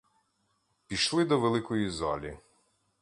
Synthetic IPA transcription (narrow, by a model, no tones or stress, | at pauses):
pʲiʃlˠɪd̪ɔʋelˠɪkɔjizɑ̰lʲi